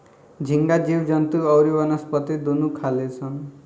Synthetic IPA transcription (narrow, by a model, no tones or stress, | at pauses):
d͡zʱiŋɡad͡ziwd͡zʌnt̪uʌwɾibʌnʌspʌt̪id̪unukʰalet͡sʰʌn